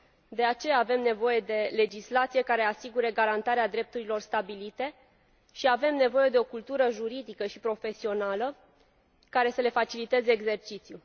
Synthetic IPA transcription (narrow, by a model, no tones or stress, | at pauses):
d̪e̞at͡ʃe̞jaːve̞mne̞vo̞je̞d̪e̞le̞d͡ʒislat̪sije̞kaɾe̞asiɡuɾeɡaɾant̪aɾead̪ɾe̞p̚t̪uɾilo̞rst̪abilit̪e̞ | ʃiave̞mne̞vo̞je̞d̪e̞o̞kult̪uɾəʒuɾid̪ikəʃipɾo̞fe̞sio̞nalə | kaɾe̞səle̞fat͡ʃilit̪e̞zeːɡze̞rt͡ʃit̪sju